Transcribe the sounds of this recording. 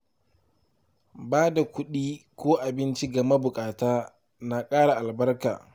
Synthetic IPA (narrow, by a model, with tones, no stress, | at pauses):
baː˦da˨kʷʊ˦ɗiː˦kʷoː˦ʔa˨bɪ˦nt͡ʃi˦ɡɐ˨ma˦bʊ˨kʼaː˨taː˦ | na˨kʼaː˦ɽa˨ʔa˨lbɐ˦rka̰ː˨